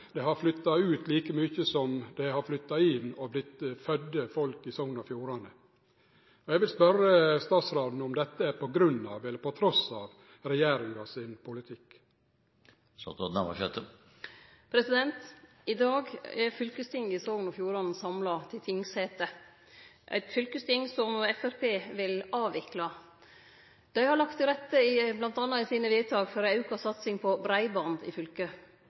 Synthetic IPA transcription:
d̪ɛɦɑɾflʏt̪ːɑʉːt̪liːkəmyːçəsɔmd̪ɛhɑɾflʏt̪ːɑɪnːɔblɪt̪fœd̪ːəfɔlkɪsɔŋnɑfjuːɾɑnə | ɔɛɡʋɪlspœɾəst̪ɑːt̪sɾɑːd̪n̩ɔmd̪ɛt̪ːəæɾpɔɡɾʉnːɑ̰ːʋɛlːəɾpʰɔt̪ʰɾɔsɑːʋ | ɾɛjeːɾɪŋɑsɪnpʰʊlɪt̪ʰɪk | sɔ̰t̪ɔd̪nɑmɑ̰ʃøt̪ə | pʰɾɛsɪd̪ɛnt̪ | ɪd̪ɑːɡɛɾfʏlkəst̪ʰɪŋɪsonɔfjuːɾɔnn̩sɑmlɑt̪ʰɪlt̪ʰɪŋsheːt̪ə | ʔæ̰ɪt̪fʏlkəst̪ɪŋːsɔmɛfæɾpʰeːʋɪlɑːʋɪklɑ | d̪̥æɪhɑɾɭɑkt̪ʰːɪlɾɛt̪ːəɪblɑnt̪ɑnːɑɪsiːnəʋɪːt̪ʰɑːɡfɔɾʉːkɑsɑt̪sɪŋpʰɔbɾæɪbɑnd̪ɪ̰fʏlkə

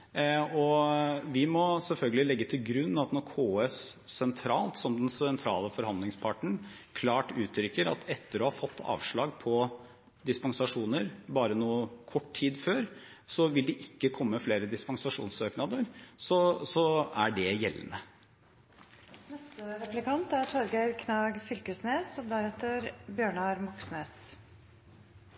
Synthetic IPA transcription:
ɔʋɪmɔsɛlfœlɡəlɪlɛɡːət̪ʰɪlɡɾʉnːɑt̪nɔɾkʰoːɛsːɛnt̪ʰɾɑːlt̪sɔmd̪ɛnsɛnt̪ʰɾɑ̰ːləfɔɾhɑnd̪lɪŋspʰɑʈəɳ̩kʰlɑːʈʉːt̪ʰɾʏkːəɾɑ̰t̪ʰɛt̪ːəɾɔːhɑfɔt̪ːɑ̰ːʋʂɭɑːɡpʰɔ | d̪ɪspɑŋsɑʂuːnəɾbɑːɾənuːəkʰɔʈːtʰiːd̪føːɾ | sɔʋɪld̪ɛʔɪkːəkʰɔmːəfleːɾəd̪ɪspɑŋsɑʂṵːnsøːknɑd̪əɾsɔsɔæɖɛjɛlːə̰nə | nɛst̪əɾɛplɪkɑnt̪æɾt̪ʰɔɾɡæɪɾkʰnɑːɡfʏlkəsneːsɔd̪æɾɛt̪ːəɾbjøːɳɑɾmɑksneːs

